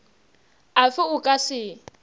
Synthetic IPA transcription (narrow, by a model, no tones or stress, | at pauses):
afɪʊkʼasɪ